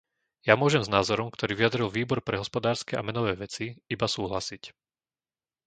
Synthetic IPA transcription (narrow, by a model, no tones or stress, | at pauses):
jamʊɔʒɛmznaːzɔɾɔmkt̪ɔɾiːʋijad̪ɾilʋiːbɔɾpɾɛɦɔspɔd̪aːɾskɛʔa̰mɛnɔʋɛːʋɛt͡siibasuːɦlasic